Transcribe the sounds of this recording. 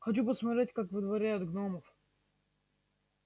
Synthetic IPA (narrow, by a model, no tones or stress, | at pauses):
xɐt͡ɕupəsmɐt̪ɾʲetʲkakvɨd̪vɐɾʲæjʊt̪ɡnoməf